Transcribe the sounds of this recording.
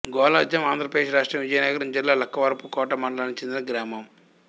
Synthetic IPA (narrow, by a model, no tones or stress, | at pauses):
ɡɔːlaːd͡ʒ̪jɐmaːnd̪ʱɾɐpɾɐd̪eʂʃɾaːʂʈɾɐmʋid͡ʒɐjɐnɐɡɐɾiɲd͡ʒɐlːalɐkːɐʋɐɾpukɔːʈɐmɐɳɖɐlaːnit͡ʃend̪inɐɡɾaːmɐm